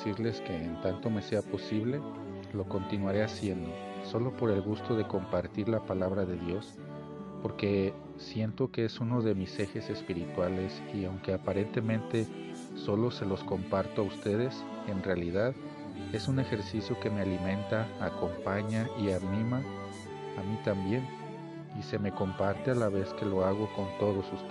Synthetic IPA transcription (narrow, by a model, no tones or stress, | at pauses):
siɾle̞ske̞ːnt̪ant̪o̞me̞se̞apo̞siβle̞ | lo̞ko̞nt̪inwaɾe̞asje̞nd̪o̞ | so̞lo̞po̞ɾe̞lɣust̪o̞ð̞e̞ko̞mpaɾt̪iɾlapalaβɾaðe̞ðjo̞s | po̞ɾke̞ | sje̞nt̪o̞ke̞esuno̞ðe̞mise̞xe̞se̞spiɾit̪wale̞s | iawŋke̞apaɾe̞nt̪e̞mẽnt̪e̞ | so̞lo̞se̞lo̞sko̞mpaɾt̪oaust̪e̞ð̞e̞s | e̞nrealiðað | e̞sune̞xe̞ɾsisjo̞ke̞me̞alimẽ̞nt̪aːko̞mpaɲaianĩma | amit̪ambje̞n | ise̞me̞ko̞mpaɾt̪e̞alaβe̞ske̞lo̞aɣ̞o̞ko̞nt̪o̞ð̞o̞sust̪